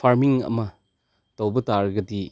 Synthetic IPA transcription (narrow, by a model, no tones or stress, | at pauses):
pʰaɾmiŋɐ̰mɐ | tɐwbɐtaɾɡɐdi